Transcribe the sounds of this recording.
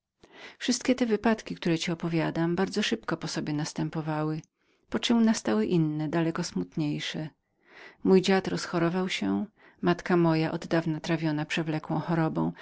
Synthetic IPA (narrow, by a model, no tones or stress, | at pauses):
fʂɘst̪̚kʲɛt̪ɛvɘpat̪kʲikt̪uɾɛt͡ɕiɔpɔvʲjad̪ambaɾd̪zɔʂɘpkɔpɔsɔbʲjɛnast̪ɛmpɔvawɘ | pɔt͡ʂɨmnast̪awɘʔinːɛd̪alɛkɔsmut̪ɲejʂɛ | mujd͡ʑat̪ɾɔsxɔɾɔvawɕɛ | mat̪kamɔjaʔɔd̪ːavnat̪ɾavʲjɔnapʂɛvlɛkwɔ̃w̃xɔɾɔbɔ̰̃w̃